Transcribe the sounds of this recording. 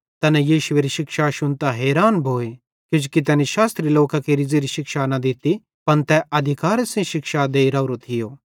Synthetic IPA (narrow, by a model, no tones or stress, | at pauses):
t̪ɐnɛjiːʃʊeːɾiʃɪkʃaʃʊnt̪aɦɛːɾaːnbʱoːe | kɪd͡ʒkit̪̬ɛːniʃaːst̪ɾiloːkakiɾɪd͡ziɾiʃɪkʃanɐd̪ɪt̪i | pɐnt̪ɛɐd̪ʱɪkaːɾsẽʃɪkʃad̪eːiɾaːuɾot̪ʰɪjoː